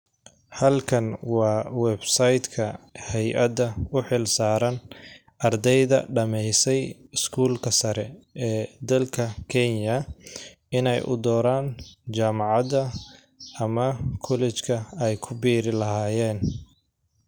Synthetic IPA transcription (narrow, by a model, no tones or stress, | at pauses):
hɐlkʰɐnwɑːwɛbsajd̪kʰɐhɛjʔɐd̪ɐʊħɪlsaːɾɐn | ʔɐrd̪ɛjðɐ̰ɖɐmɛjsɛjɪskʰuːlkʰɐsɐɾɛʔɛːd̪ɐlkʰɐkʰɛnjɐ | ɪnɛjʔʊ̰d̪ɔːɾaːnt͡ʃaːmɑʕɑd̪ɐ | ɐmɐkʰɔlɛt͡ʃkʰɐɛjkʰʊbiːɾɪlɐɦaːjɛːn